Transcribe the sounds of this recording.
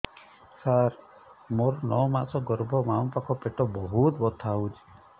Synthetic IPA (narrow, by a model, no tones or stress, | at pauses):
saɾ | moɾnɔwmasɔɡɔɾbʱɔmaw̃pakʰɔpeʈɔbɔɦut̪bɔt̪ʰaɦut͡ʃʰi̥